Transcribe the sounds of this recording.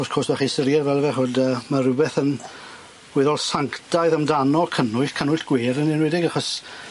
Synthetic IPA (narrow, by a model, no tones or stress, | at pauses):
ɔskʰosvaχinsəɾjɛdvɛlˠvɛɦoːdəːmarɪbɛθən | ɡ̥wɪðɔlˠsaŋkʰtajðəmdanɔkʰənʊɨɬkʰənʊɨɬɡ̥weːɾənɪnwɛdɪɡaχɔs